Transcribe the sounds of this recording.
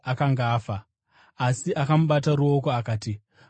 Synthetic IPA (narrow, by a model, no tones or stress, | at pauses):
akaŋɡaːfaː | siʔakamuɓataɾuo̞ko̞akaːti